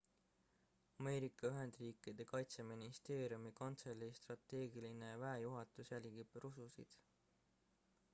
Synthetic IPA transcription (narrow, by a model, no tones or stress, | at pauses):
ɑme̞ːɾikːˑɑyɦe̞nd̪̥riːkid̪̥e̞kɑjt̪se̞minist̪e̞ːɾijumikont̪selʲːist̪rɑt̪ːe̞ːɡiline̞væejuɦɑt̪ˑusjælʲɡ̥ib̥rususḭd̪̥